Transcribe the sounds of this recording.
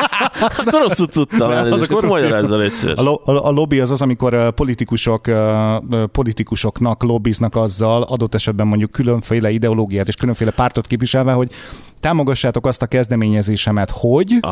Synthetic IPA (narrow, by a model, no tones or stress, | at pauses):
oɾosːut̪ːut̪ːɒmɛliomɒjɾaːzːɒlɛcsḛɾoːlo̞biɒzɒzɒmiko̞ɾpo̞lit̪ikuʃokː | po̞lit̪ikuʃo̞knɒklo̞bːiznɒkɒzːɒlɒd̪o̞t̪ːɛʃɛd̪̚bɛmo̞ɲɟukːyløɱfeːlɛid̪ɛo̞loːɡijaːt̪eːʃkyløɱfeːlɛpaːrt̪o̞t̪keːpvʋiʃɛlvɛɦo̞ɟ | t̪aːmo̞ɡɒʃːaːt̪o̞kɒst̪ɒkɛzd̪ɛmeːɲɛzeːʃɛmɛt̪ho̞ɟ